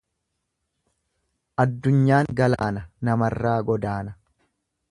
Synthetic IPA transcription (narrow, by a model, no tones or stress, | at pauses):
ʔɐd̪ːʊɲːaːŋɡɐla̰ːnɐnɐmɐrːaːɡɔd̪aːnɐ